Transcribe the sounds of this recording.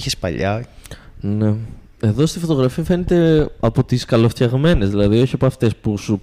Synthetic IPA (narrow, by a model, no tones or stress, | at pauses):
çespɐ̰ʎɐ̰ | ne̞ | e̞ðo̞st̪ifo̞t̪o̞ɣɾɐfiɐfe̞net̪e̞ɐpo̞t̪iskɐlo̞fçɐɣme̞ne̞zðilɐðio̞çiɐpoɐft̪e̞spusu